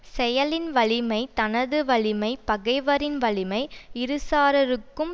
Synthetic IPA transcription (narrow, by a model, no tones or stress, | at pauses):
sɛjɐlɪnʋɐɭɪmɐɪt̪ɐnɐðɯʋɐɭɪmɐɪpɐɣɐɪʋɐɾɪnʋɐɭɪmɐɪɪɾɯsaːɾɐɾɯkːɯm